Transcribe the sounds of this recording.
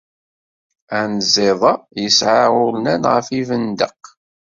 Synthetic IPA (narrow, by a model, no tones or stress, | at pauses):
ænəzɪðˤɑjəsʕaʊɾnænʁəfivənd̪ə̰q